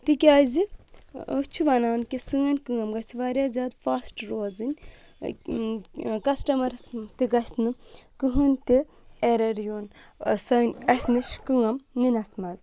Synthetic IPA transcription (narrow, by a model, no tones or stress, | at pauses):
t̪ikʲaːzi | t͡ʃʰuʋɐnaːnkʲisɨŋɐnʲkɨŋɐmɡɐt͡sʰiʋaːɾjaːzʲaːd̪faːsʈɾoːzɨnʲ | kɐsʈɐmɐɾst̪iɡɐsʲnɨkɨɦɨnʲt̪i | eɾɐɾjoːnsɐnʲɐsʲnɨʃkɨŋɐmninɐsmɐd̪